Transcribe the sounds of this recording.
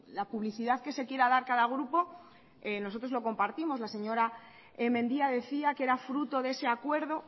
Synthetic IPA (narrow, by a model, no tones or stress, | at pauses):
lapuβliθiðaðke̞se̞kje̞ɾaðaɾkaðaɣ̞ɾupo̞ | eno̞so̞t̪ɾo̞zlo̞ko̞mpaɾt̪imo̞zlase̞ɲo̞ɾa | emẽ̞nd̪iaðe̞θiake̞ɾafɾut̪o̞ðe̞se̞akwe̞ɾð̞o̞